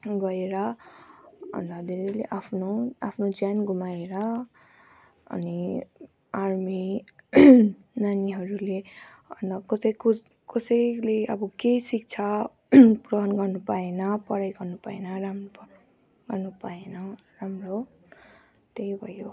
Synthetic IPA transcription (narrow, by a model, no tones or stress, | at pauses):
ɡʌeɾʌ | ʌ̰nd̪ʌd̪iɾileʔapʰnoapʰnod͡zjanɡʱumaeɾʌ | ʌ̰ni | armi | naniɦʌɾule | ʌ̰nd̪ʌkʌsʌjku | kʌsʌjleʌbʌkesik̚t͡sʰa | prʌɦʌnɡʌrnupaenʌpʌɾajɡʌrnupaenʌɾampʌ | ɡ̥ʌrnupaenʌramro | t̪ejbʱʌjo